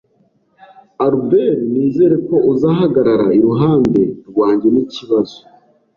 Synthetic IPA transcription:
aɾubeɾniːzeɾe̞ko̞ʔuzaɦaɡaɾaɾa̰iɾuɦaːnde̞ɾɡwaːɲɟe̞niciβazo

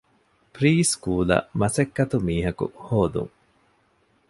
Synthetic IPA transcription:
pɾiːskuːlɐ̰mɐsekːɐt̪umiːɦɐkṵhoːd̪ṵŋ

